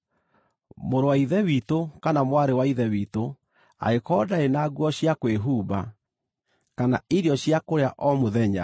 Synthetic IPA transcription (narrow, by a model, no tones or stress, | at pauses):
moɾowaiðɛwitokanamwaɾewaiðɛwito | a̰ekɔdaenaːɡwɔɕjakweɦuːba̰ | kana̰iɾjɔɕjakoɾeaʔɔmoðɛɲa̰